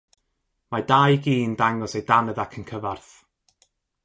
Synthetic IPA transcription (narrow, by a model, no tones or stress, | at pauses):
madajɡiːndaŋɔsejdanəðakʰənkʰəvarθ